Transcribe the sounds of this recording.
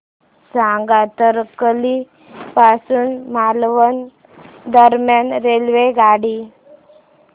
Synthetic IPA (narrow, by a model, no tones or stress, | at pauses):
sãŋɡat̪əɾkli | pasuːnmalʋən | d̪əɾmjanɾelʋeɡaɽi